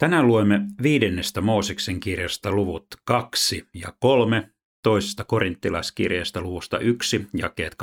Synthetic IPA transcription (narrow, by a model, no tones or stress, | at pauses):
t̪ænæluemːeʋiːdenːest̪æmoːsekseŋkirjɑst̪ɑluʋut̪kɑksijɑ̰kolme | t̪oisest̪ɑkorint̪ːilɑiskḭrjeːst̪ɑluʋust̪ɑ̰ʔyksijɑ̰kḛːt̪k